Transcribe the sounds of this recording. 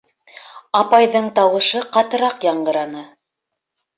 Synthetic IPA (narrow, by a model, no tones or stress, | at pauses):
ɑpɑjðɤɴt̪ɑwɤ̆ʃɤqɑt̪ɤ̆ɾɑqjɑɴɢɤ̆ɾɑnɤ